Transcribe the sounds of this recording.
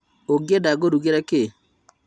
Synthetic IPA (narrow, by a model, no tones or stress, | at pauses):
oɡjedaɡoɾuɡeɾɛkɪ